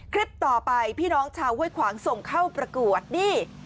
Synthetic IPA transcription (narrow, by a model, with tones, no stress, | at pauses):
kʰɾi˦˥p̚t̪ɔː˨˩pa˧jpʰiː˥˩nɔː˦˥ŋt͡ɕʰaː˧wu˥˩˨jkʰwaː˩˦ŋso˨˩ŋkʰa˥˩wpɾa˧ku˨˩ət̪̚niː˥˩